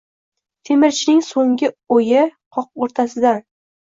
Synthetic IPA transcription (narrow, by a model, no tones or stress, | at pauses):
t̪ʰemɪɾt͡ʃʰɪnɪŋsoŋɡʲɪojɪqʰɒq̚oɾt̪ʰasɪd̪an